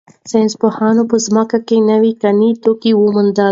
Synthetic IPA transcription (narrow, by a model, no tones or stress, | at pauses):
senspohɑnopəzməkakenəwikanit̪okiwəmʊnd̪ə